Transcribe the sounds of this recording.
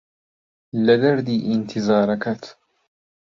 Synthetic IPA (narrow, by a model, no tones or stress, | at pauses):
lad̪aɾd̪iːʔɪnt̪ʰɪzɑːɾˤɑkat̪